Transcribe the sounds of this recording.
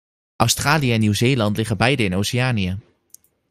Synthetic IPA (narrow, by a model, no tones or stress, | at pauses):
ʔɑwstraːlijəɛnːywzeːlɑntlɪχəbɛjdəɪnowsɪaːniə